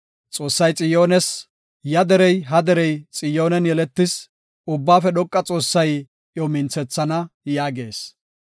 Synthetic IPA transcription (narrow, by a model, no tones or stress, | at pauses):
t͡sʼo̞ːsːɐjt͡sʼɪjo̞ːnɛs | jɐd̪ɛɾɛjɦɐd̪ɛɾɛjt͡sʼɪjo̞ːnɛnjɛlɛt̪ːɪs | ʊbːaːfɛd̪ɔkʼːɐt͡sʼo̞ːsːɐj | ʔjɔmɪnt͡sɛt͡sːɐnɐjaːɡe̞̰ːs